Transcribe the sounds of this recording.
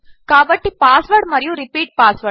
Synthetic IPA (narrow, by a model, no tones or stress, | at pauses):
kɐʋɐʈːipaːsʋɐɾʈmɐɾɪjʊ̃ɾɪpiːʈ̚paːsʋɐ